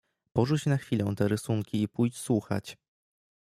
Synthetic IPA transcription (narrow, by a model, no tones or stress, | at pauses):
pɔʐut͡ɕnaxfʲilɔ̃w̃t̪ɛɾɘsuŋkʲiːpujt͡ɕswuxa̰t͡ɕ